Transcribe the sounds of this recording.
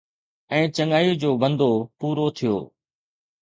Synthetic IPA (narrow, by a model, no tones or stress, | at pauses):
ɛ̃ːt͡ɕɐŋaːjud͡ʑoːbə̃nd̪ʱopuːɾot̪ʰijo̰ː